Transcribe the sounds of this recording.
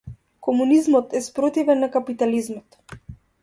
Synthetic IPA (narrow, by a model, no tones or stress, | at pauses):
kɔmunizmɔt̪ɛspɾɔt̪ivɛnːakapit̪alizmɔt̪